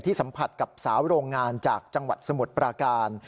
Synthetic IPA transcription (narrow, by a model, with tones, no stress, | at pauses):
t̪ʰiː˥˩sa˩˦mpʰa˨˩t̪̚ka˨˩p̚saː˩˦wɾoː˧ŋːaː˧nt͡ɕaː˨˩k̚t͡ɕa˧ŋwa˨˩t̪̚sa˧mu˨˩t̪̚pɾaː˧kaː˧n